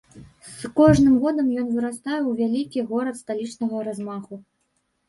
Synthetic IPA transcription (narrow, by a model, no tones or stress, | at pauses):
skɔʐnɨmɣɔd̪ɐmjɔnvɨɾast̪ajɛwvʲalʲikʲiɣɔɾɐt̪st̪alʲit͡ʂnɐɣɐɾazmaxu